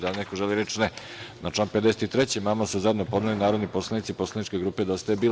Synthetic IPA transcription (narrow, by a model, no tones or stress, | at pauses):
d̪alinekoʒeliɾet͡ʃne | nat͡ʃlaːnped̪eset̪it̪ɾet͡ɕimaːmasuzajed̪nopo̞d̪nalinaːɾo̞d̪nipo̞slˠenit̪siposlˠenit͡ʃke̞ɡɾuːped̪ost̪ajebiːl